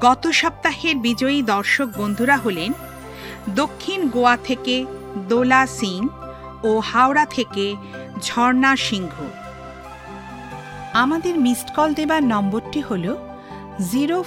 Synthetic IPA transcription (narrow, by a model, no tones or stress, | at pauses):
ɡɔt̪oʃɔb̚t̪aheɾbid͡ʑoid̪ɔɾʃok̚bond̪ʱuɾaɦolen | d̪okʰːinɡoat̪ʰeked̪olasiŋ | ohaoɾat̪ʰeke | d͡ʑʱɔɾnaʃiŋɡʱu | amad̪eɾmisʈkɔld̪ebaɾnɔmboɾʈiholo | ziɾo